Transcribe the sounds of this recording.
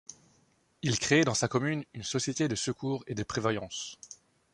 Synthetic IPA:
ilkχeːd̪ɑ̃sakɔmynynsɔsjet̪ed̪əsəkʰuːʁed̪əpχevajɑ̃s

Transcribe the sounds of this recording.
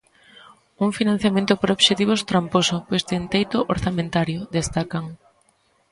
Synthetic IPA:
uŋfinãn̟θjamẽnt̪ʊpoɾoβʃet̪iβost̪ɾamposʊpojst̪ent̪ejt̪ʊʔoɾθamẽnt̪aɾjʊd̪est̪akɐŋ

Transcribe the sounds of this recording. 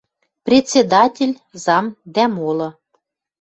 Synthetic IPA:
prʲet̪ʲt͡sʲːed̪ɑtʲelʲ | zɑmd̪æmolɤ̆

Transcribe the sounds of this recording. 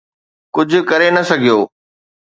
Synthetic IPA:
kʊd͡ʑʱʊ̆kɐɾenɐsɐɡʱijoː

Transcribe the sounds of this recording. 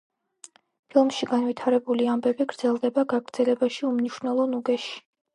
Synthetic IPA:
pʰilˠmʃiɡanwit̪ʰaɾɛbuliambɛbiɡɾd̪zɛlˠd̪ɛbaɡaɡɾd̪z̥ɛlɛbaʃiumniʃwnɛlˠɔnuɡɛʃi̥

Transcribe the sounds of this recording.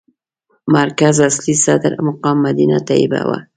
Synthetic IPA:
maɾkazaslisad̪ɪɾmʊqɑmːad̪inat̪ajɪba̰wa̰

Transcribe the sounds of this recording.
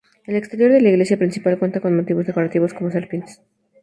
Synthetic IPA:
elekst̪eɾjo̞ɾðelaiɣle̞sjapɾinsipalkwe̞nt̪ako̞nmo̞t̪iβo̞zðekoɾat̪iβo̞sko̞mos̬alɾpines

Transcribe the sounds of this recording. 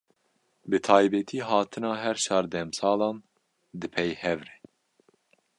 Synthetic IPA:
bɨt̪ʰɑːjbɛt̪ʰiːɦɑːt̪ʰɨnɑːɦɛɾʃɑːɾd̪ɛmsɑːlɑːn | d̪ɨpʰɛjhɛvɾɛ

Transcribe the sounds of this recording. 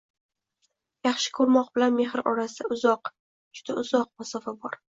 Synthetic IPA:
jɑχʃɪ̥kʰɵɾmɒq̚bɪlanme̞ɦɾɒ̰ɾasɪd̪aʊzɒq | d͡ʒʊd̪aʊzɒq̚masɒfabɒɾ

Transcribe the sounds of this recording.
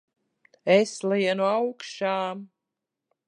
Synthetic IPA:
ɛslˠiɛnuawkʃaːm

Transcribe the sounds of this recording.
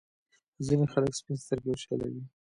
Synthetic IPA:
zinexaləkspinst̪əɾɡeʃala̰wi

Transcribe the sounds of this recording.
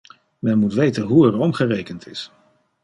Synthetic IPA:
mɛnmutʋejtənɦuɛɹɔmχərejkəntʰɪs

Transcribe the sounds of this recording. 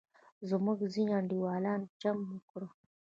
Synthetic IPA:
zəmuɡziɲaɳɖiwaːlaːnd͡ʒamːəkɽo

